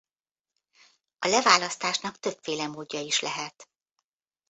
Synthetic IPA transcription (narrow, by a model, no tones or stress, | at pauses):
ɒlɛvaːlɒst̪aːʃnɒkt̪ø̞pfeːlɛmoːɟːɒiʃlɛɦɛt̪